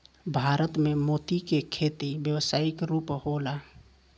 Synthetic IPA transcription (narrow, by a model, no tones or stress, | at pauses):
bʱaːɾət̪memoːt̪ikekʰeːt̪ibjəwsaːɪkɾuːphola